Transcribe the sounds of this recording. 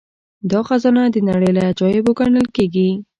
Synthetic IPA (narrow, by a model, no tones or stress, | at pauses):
d̪ɑxazɑnad̪ənaɽəjlajad͡ʒɑjeboɡaɳəlkeɡi